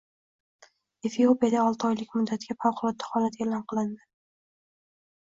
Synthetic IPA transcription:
e̞fijopijad̪aɒlˠt̪ʰɨɒjlɪkʲmʊd̪ːat̪ʰɪɡʲafawqʰʊlˠɒt̪̚ːḁhɒlat̪ʰelɒnqʰɨlˠɪnd̪ɪ

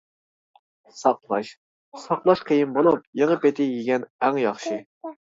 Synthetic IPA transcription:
sɑqlˠɑʃ | sɑqlˠɑʃqʰəjɪmbolˠup̚jeŋəpet̪ʰɪjiɡʲɛnæŋjɑχʃi

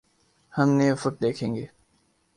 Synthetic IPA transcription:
hɐmneːfʊʈ̚d̪eːkʰẽːŋɡeː

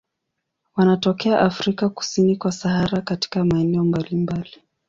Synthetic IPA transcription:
wanatɔkɛaʔafɾikaku̥sinikwasahaɾakati̥kamaɛnɛɔmbalimbali

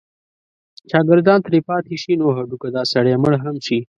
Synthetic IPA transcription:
ʃɑːɡɪɾd̪ɑːnt̪ɾipɑːt̪ʰiʃinoːɦɐɖukɐd̪ɑːsɐɽeməɽɦɐmʃi

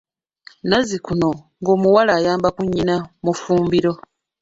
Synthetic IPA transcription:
nazikuno̞ | ŋɡo̞ːmuwalaːjaːmbakuɲːinamufuːmbiɾo̞

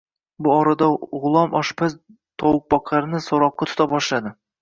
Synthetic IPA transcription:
bʊɒɾad̪aʁʊlˠɒmʔɒʃpʰaz | t̪ʰɒwʊq̚bɒqʰɑɾnɪsoɾɒqːɑt̪ʰʊ̥t̪ʰabɒʃlad̪ɪ

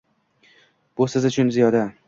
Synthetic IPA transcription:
b̥ʊsɪzʊt͡ʃʰʊnzijɒd̪a

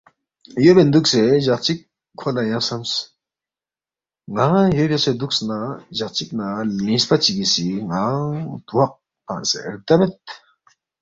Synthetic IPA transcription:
jøpend̪uk̚seʑaχt͡ɕikʰː | olajaŋsams | ŋaɦajøpesed̪uk̚snaʑaχ̚t͡ɕik̚nalĩspat͡ɕiɡisiŋaaŋt̪uwaq̚ | pansḛɾt̪abet̪̚

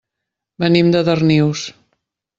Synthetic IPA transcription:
bənimd̪əðərniws

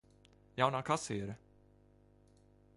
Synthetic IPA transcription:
jawnakʰasiɾ

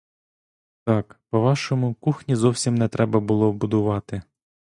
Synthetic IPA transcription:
t̪ɑkpɔʋɑʃɔmʊkuxnʲizɔwsʲimnɛt̪ɾɛbɐbʊlˠɔbʊd̪ʊʋɑt̪ɪ

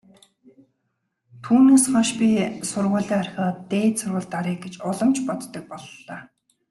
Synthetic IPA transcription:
t̪ʰuːneːsχɔnʃpʲisʊrʁʊːɮiːarxʲɔːt̪eːt̪sʊrʁə̆ɮt̪aɾiːk̚ɡet͡ɕʊɮə̆mt͡ɕpɔt̪ːə̆k̚pɔɮːaː

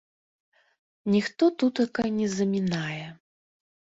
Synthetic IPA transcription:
nʲixt̪ɔt̪ut̪jakajnʲɛzɐmʲinajɛ

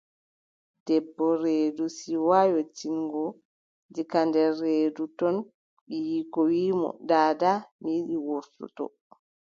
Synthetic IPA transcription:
d̥ɛbːɔɾeːdusiwajɔt͡ʃiŋɡɔ | d͡ʒikandɛɾeːdutɔn | ɓijikɔwiːmɔ̰daːdamiɗiwoɾtṵtɔ̰

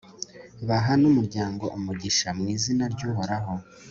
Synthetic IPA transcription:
βaɦanumuɾɟaːŋɡo̞ʔumuɟiʃamŋiːzinaɾɟuːɦoɾaɦo̞

